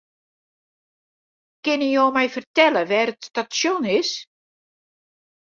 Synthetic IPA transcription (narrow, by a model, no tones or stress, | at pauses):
kɪnijoːmɛjfərtɛləʋɛːrətstasjɔnɪs